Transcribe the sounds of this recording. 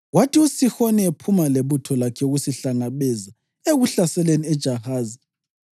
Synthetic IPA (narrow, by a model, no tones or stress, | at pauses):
watʰiusixoniepʰumaleβutʰɔlakʰɛuɣusiɬaŋaβɛza | eɣuɬasɛleniɛd̥ʒ̥ʱahaːzi